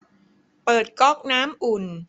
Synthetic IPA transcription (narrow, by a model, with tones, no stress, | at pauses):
pɤː˨˩t̪̚kɔ˥˩k̚naː˦˥mʔu˨˩n